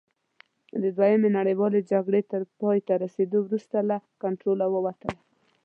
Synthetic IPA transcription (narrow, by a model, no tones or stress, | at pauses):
d̪əd̪wajamenaɽəjwɑled͡ʒaɡɽet̪əɾpɑjt̪aɾased̪owɾust̪alakaɳʈɾolawəwat̪əla